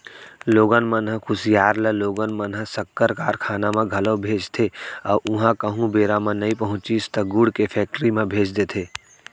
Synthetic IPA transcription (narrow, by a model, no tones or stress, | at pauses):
loːɡənmənɦəkʰʊsijaːɾləloːɡənmənɦəsəkːəɾkaːɾkʰaːnamẽɡʱɐlobʱeːd͡ʒt̪ʰeɔːɾʔʊɦãkəɦũbeːɾamẽnɐĩpəɦʊ̃t͡ʃist̪əɡuːɽkepʰɛːk̚ʈəɾimẽbʱeːt͡ʃd̪et̪ʰeː